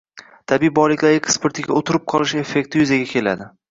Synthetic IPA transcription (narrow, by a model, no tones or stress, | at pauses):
t̪ʰabiːbɒlɪkʲlaɾɪkʲspeɾt̪ʰɪɡʲa̰ot̪ʰɪɾɪp̚qʰɒlˠɪʃe̞fːe̞kʲt̪ʰɪjʊzaɡʲakʲʰe̞la̰d̪ɪ